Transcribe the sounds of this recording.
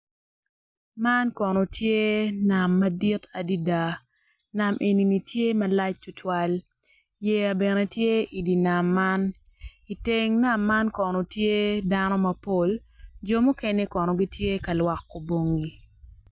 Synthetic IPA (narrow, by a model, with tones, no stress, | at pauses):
ma˦nkɔ˨no˨tʰje˦na˨mːɐ˦di˦tʰa˨di˦da˨ | na˨mʔe˨ni˨ni˨tje˦mɐ˨la˦t͡ʃtʊ˨tʰwa˦l | jɛ˨ja˨bɛ˨ne˨tje˦i˨di˨na˨mːa˦n | i˨te˦ŋna˦˨mːa˦nkɔ˨no˨tje˦da˦nɔ˦mɐ˨po˦ld͡ʒo˦mu˦ke˦ne˦kɔ˨nɔ˨ɡi˦tje˦kɐ˨lwa˨kːo˨bo˨ŋɡi˨